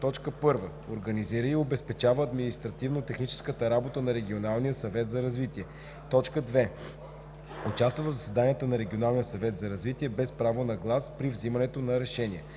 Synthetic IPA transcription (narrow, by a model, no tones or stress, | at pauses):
t̪ɔt͡ʃkəpɤɾvə | oɾɡəniziɾəiobɛspɛt͡ʃavəːd̪minist̪ɾɐt̪ivnot̪ɛxnit͡ʃɛ̥skət̪əɾabot̪ənɐɾɛɡʲionalˠnijəsɐvɛt̪zɐɾɐzvit̪iɛ | t̪ɔt͡ʃkəd̪vɛ | ot͡ʃast̪vəvəvzəsɛd̪aniət̪ənɐɾɛɡʲionalˠnijəsɐvɛt̪zɐɾɐzvit̪iɛbɛspɾavonɐɡlˠaspɾivzimɐnɛt̪onɐɾɛʃɛnʲiɛ